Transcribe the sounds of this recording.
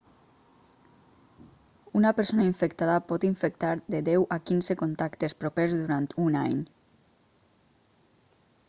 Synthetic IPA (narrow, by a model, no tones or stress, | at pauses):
unapeɾsonaiɱfekt̪aðapɔt̪iɱfek̚t̪aɾðedɛwʔakinzekont̪akt̪espɾopezðuɾant̪ʰunaɲ